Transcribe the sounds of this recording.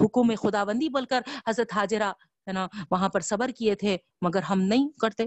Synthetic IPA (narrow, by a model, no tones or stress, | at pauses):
ɦʊkũmẽxʊd̪aːʋə̃nd̪iboːlkɐɾɦɐzɾət̪ɦaːd͡ʒɪɾa | ɦɛːnaʋɐɦãpɐɾsɐbəɾkiet̪ʰe | mɐɡəɾɦɐmnɐɦĩkɐɾt̪e